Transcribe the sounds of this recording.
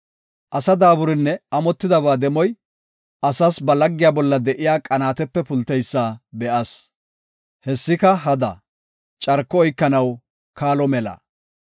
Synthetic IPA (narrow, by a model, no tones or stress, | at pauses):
ʔɐsɐd̪aːbʊɾɪnːɛɐmɔt̪ːɪd̪ɐbaːd̪ɛmɔj | ʔɐsasbɐlɐɡːɪjaːbɔlːɐd̪ɛʔɪjaːkʼɐnaːt̪ɛpːɛpʊlt̪ɛjsːaːbɛʔɐs | hɛsːɪkɐɦɐd̪ɐ | t͡ʃʼɐɾkːɔɔjkːɐnɐw | kʰaːlɔmɛlɐ̰